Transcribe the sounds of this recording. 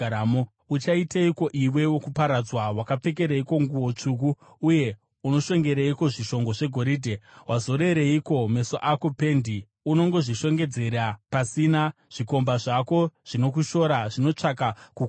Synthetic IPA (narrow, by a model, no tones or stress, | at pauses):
amo | ut͡ʃaitaiko̞ʔiwe̞wokupaɾad͡zwawakap͡fe̞k̬e̞ɾeiko̞ŋɡuwo̞t͡ʂuk̬u | uje̞ | uno̞ʃe̞ŋɡe̞ɾeiko̞ʐiʃo̞ŋɡo̞ʐe̞ɡʱo̞ɾiːdʱe̞wʔazo̞ɾe̞ɾeiko̞me̞soʔako̞pe̞ndi | uno̞ŋɡo̞ʐiʃo̞ŋɡe̞d͡ze̞ɾapasina | ʐ̥iko̞mbaʐako̞ʐ̥ino̞k̬uʃo̞ɾaʐino̞t͡ʂakakuk